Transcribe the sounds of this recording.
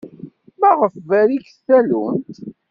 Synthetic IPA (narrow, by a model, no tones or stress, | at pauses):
mæʁəfvæɾikθælunt̪